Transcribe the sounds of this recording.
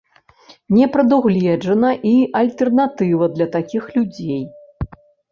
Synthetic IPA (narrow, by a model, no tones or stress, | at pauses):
nʲɛpɾɐd̪uɣlʲɛʐɐnɐʔiʔɐlʲt̪ɛrnat̪ɨvɐd̪lʲɐt̪akʲixlʲud͡zʲej